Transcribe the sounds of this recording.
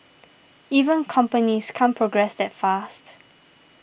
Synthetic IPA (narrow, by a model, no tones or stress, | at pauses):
ivə̃nkʰɔ̃mpəniskʰãnpʰɹoɡɹɛsdɛtfast